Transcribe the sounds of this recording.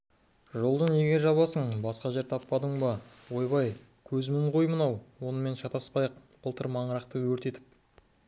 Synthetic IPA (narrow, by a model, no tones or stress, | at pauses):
ʒo̞lˠd̪əneɡʲe̞ʒɑβɑsəɴbɑsqɑʒe̞ɾt̪ʰɑpːɑd̪əɴbɑwo̞jbɑj | kʲʰɵzɪmɪɴqʰojmənɑwwo̞nəme̞nʃɑt̪ɑspɑjəq̚b̥əlˠt̪əɾmɑɴəɾɑqt̪əwɵɾt̪e̞t̪ɪ̥p̚